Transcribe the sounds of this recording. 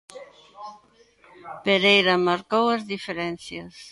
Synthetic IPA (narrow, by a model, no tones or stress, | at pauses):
peɾejɾɐmaɾkowɐzðifeɾɛnθjɐs